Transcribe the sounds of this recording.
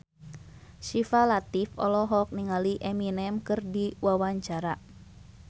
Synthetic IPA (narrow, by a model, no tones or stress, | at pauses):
ʃifalat̪ifɔ̰lɔɦɔk̚niŋaliʔɛminɛmkɨrdiwawaɲt͡ʃaɾa